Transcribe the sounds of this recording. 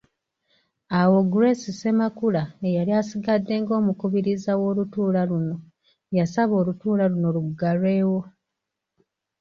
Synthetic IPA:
awo̞ɡɾe̞sise̞makulaejaliasiɡadːe̞ːŋɡo̞ːmukuβiɾizawo̞ːlutuːlaluno̞ | jasaβo̞ːlutuːlaluno̞luɡaɾwe̞ːwo̞

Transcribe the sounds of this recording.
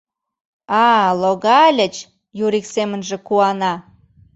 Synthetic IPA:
ɑloɣɑlʲət͡ɕ | juɾiksemə̆nʒĕkuɑnɑ

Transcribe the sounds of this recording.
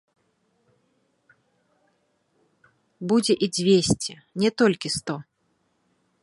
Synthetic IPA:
bud͡zʲɛʔid͡zʲvʲesʲt͡sʲɛ | nʲɛt̪ɔlʲkʲist̪ɔ

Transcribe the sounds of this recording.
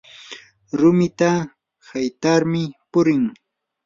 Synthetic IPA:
ɾʊmɪt̪a | hajt̪aɾmɪpʊɾɪŋ

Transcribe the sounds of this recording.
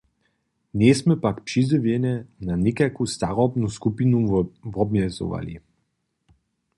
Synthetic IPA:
neːsmɛpakpʃiziʋjɛnɛnanikakust̪aɾɔbnuskupinuvɔbmɛzo̰ʋa̰lḭ

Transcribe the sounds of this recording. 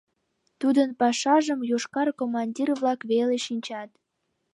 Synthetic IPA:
t̪ud̪ənpɑʃɑʒəmjoʃkɑrkomɑnʲdʲirβlɑkβeleʃinʲt͡ɕɑt̪

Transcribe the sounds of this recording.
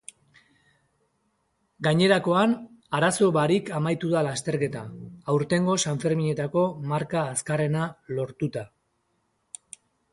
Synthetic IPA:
ɡaɲe̞ɾako̞an | aɾaso̞βaɾikamajt̪uðalast̪e̞ɾke̞t̪aːwɾt̪e̞ŋɡo̞saɱfe̞ɾmiɲe̞t̪ako̞maɾkaːskare̞nalo̞ɾt̪ut̪a

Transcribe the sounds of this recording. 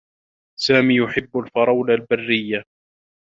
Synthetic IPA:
saːmiːjʊħɪbːalfɑɾˤɑwlalbarːɪjːa

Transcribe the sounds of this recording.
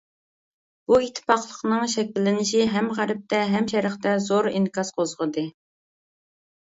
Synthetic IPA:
b̥uit̪ʰːɪ̥pɑqlˠəqnɨŋʃɛkʲilːɪnɪʃiɦɛmʁæɾɪp̚t̪ɛɦɛmʃɛɾəχt̪ɛzoɾinkʰɑsqʰozʁəd̪ɨ

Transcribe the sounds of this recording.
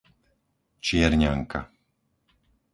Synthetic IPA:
t͡ʃɪɛɾɲaŋka̰

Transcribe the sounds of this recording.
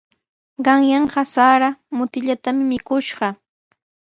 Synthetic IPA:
ɢɑŋjɑɴɢɑsaɾamʊt̪ɪʎat̪amɪmɪkʊʃɢɑ

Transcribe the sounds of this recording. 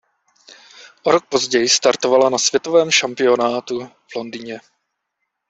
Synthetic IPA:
ʔoɾo̞k̚po̞zɟɛjɪst̪aɾt̪o̞valanasv̥jɛt̪ovɛːmʃampɪo̞naːt̪u | v̥lo̞ndiɲɛ

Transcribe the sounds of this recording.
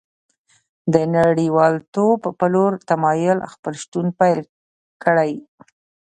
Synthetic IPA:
d̪ənaɽiwɑlt̪obːəloɾt̪amɑjʊlxpəlʃt̪unpajl | kəɽaj

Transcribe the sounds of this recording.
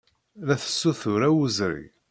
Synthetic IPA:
læθə̥sːuθʊɾæwəzɾḭ

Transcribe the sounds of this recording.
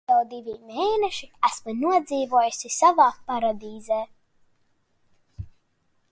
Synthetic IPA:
awd̪ivimeːnɛʃiæsmɨnuɔd̪ziːvuɔjusisavaːpaɾad̪iːzeː

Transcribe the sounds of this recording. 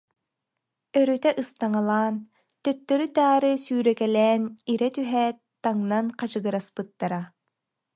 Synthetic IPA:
œɾœt̪ɛʔɯst̪aŋalˠaːn | t̪œt̪ːœɾyt̪aːɾɯsyːɾɛkɛlɛːniɾɛt̪yɦɛ | t̪aŋnanqad͡ʑɯɡɯɾaspɯt̪ːaɾa

